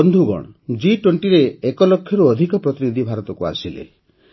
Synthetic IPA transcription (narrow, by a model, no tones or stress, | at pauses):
ɔnd̪ʱuɡɔ̰ɽ̃ɔd͡ʒiʈweɳʈiɾeːkɔlokʰːjɔɾuɔd̪ʱikɔpɾɔt̪inid̪ʱibʱaɾɔt̪ɔkua̰silḛ